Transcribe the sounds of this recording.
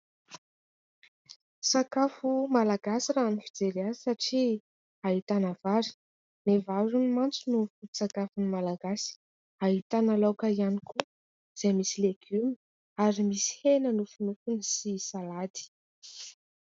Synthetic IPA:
sakafumalaɡasiranifid͡zeɾiazisaʈ͡ʂi | aɦit̪anavaɾi̥ | nevaɾunimant͡sunufut̪u̥sakafunimalaɡasi̥ | aɦit̪analokəianiku | z̥emisileɡ̥ymi | aɾimisi̥henənufinufunisisalad̪i̥

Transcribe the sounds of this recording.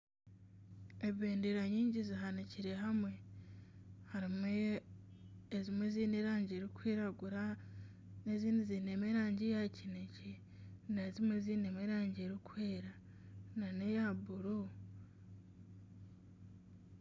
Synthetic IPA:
eβeːndeɾaɲiːɲɟiziɦaniciɾe̞ɦamwe̞ | haɾime | zimweziːneɾaːɲɟeɾikwiːɾaɡuɾa | neziːndizinemeɾaːɲɟijacinece | nezimwe̞ziːnemeɾaːɲɟeɾikweːɾa | nane̞jabuɾu

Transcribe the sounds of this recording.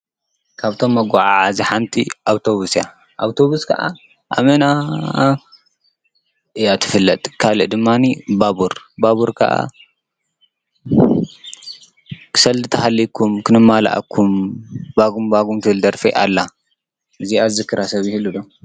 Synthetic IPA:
kʰaβt̪ʰo̞mːɐɡʷaʕaʕaziħant̪ʰiʔawt̪ʰo̞βusja | ʔawt̪ʰo̞βuskʰɐ̰ʔa̰ | ʔa̰mɐna | ʔɨjat̪ʰɨfɨlːɐt̪ʼkʰalɨ̰ʔd̪ɨmːanibabuɾbaβuɾkʰɐ̰ʔa̰ | kʰɨ̥sɐlzɨt̪ʰɐhalːikʰumkʰɨnɨmːala̰ʔa̰kʰːumbaɡumbaɡumt̪ʰɨhɨld̪ɐɾfɐʔa̰lːa | ʔɨziazɨkːɨɾasɐβjɪhɨlːud̪o

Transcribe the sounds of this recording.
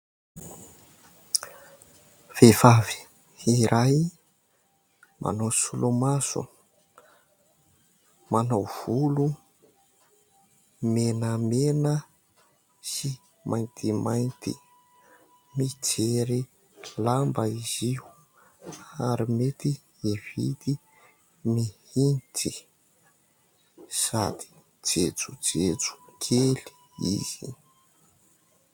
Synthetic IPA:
v̥evavi̥ | iɾʔaj | mʔa̰nowsulomasṵ | manawv̥ulu | menəmenə | si | mʔajnt̪imajnt̪ḭ | mit͡seɾi | lambəiziu | aɾimet̪i | iv̥ḭd̪i | mihinti | sad̪̥i̥ | d͡zet͡sud͡zet͡su̥kʰeli̥ | ḭz̥i

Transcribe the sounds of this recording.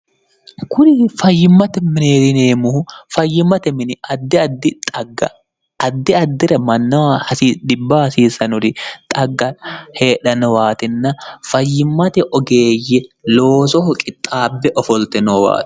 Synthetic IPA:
kʊnɪfɐjːɪmːɐt̪ɛmɪneːt̪ɪneːmʊhʊfɐjːɪmːɐt̪ɛmɪnɪɐd̪ːɪɐd̪ːɪt̪ʼɐɡːɐ̰ | ɐd̪ːɪɐd̪ːɪɾɐmɐnːɐwhɐsiːd̪ɪbːɐhɐsiːsɐnʊɾɪt̪ʼɐɡːɐhe̞ːᶑɐnɔwaːt̪ɪnːɐfɐjːɪmːɐt̪ɛʔɔɡe̞ːjːɛlo̞ːsɔhʊkʼɪt̪ʼːaːbːɛʔɔfɔlt̪ɛnɔwa̰ːt̪

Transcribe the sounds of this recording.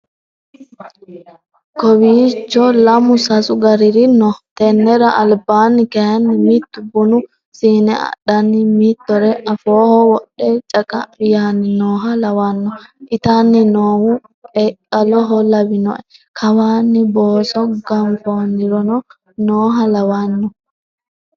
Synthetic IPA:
kɔwiːt͡ʃːɔlɐmʊsɐsʊɡɐɾɪɾɪnɔht̪ɛnːɛɾɐʔɐlbaːnːɪkɛjɐnːɪmit̪ːʊbʊnʊ | siːnɛɐ̰ɗɐnːɪmit̪ːɔɾɛʔɐfoːhɔwɔɗːɛt͡ʃʼɐkʼɐɪjaːnːɪnoːɦɐlɐwɐnːɔʔɪt̪anːɪnoːhʊ | pʼɛkʼːɐlɔɦɔlɐbɪnɔ̰ʔɛkʰɐwaːnːɪboːsɔɡɐmfoːnːɪɾɔnɔ | noːɦɐlɐwɐnːɔ

